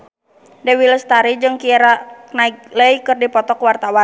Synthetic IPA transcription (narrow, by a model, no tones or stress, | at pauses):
dɛwiləst̪aɾid͡ʒɨŋkiɛɾaknaik̚ləjkɨrdipɔt̪ɔkwart̪awa